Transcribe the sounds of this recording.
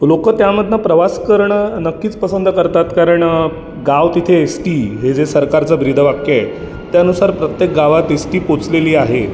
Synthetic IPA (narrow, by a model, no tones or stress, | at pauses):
lokət̪jaməd̪ʱnəpɾəʋaskəɾɳənəkːiːt͡spəsənd̪ʱəkəɾt̪at̪kaɾəɳ | ɡaʋt̪it̪ʰeːsʈiːɦed͡zesəɾkaɾt͡səbɾid̪ʱəʋakje | t̪jaənusaɾpɾət̪jek̚ɡaʋat̪esʈiːpot͡sleliːaɦe